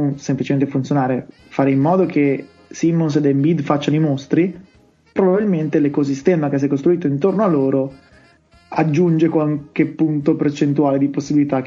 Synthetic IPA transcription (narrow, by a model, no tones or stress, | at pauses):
semplit͡ʃement̪efunt̪sjonaːɾe | faːɾeimːɔːd̪okʰe | simːons̬ed̪embid̪fat͡ʃːanoimost̪ɾi | pɾobabilment̪elekos̬ist̪ɛːmakes̬ɛjkost̪ɾuiːt̪oint̪ornoalːoːɾo | ad͡ʒːund͡ʒekwaŋk̟epːunt̪opert͡ʃent̪uaːled̪iposːibilit̪ak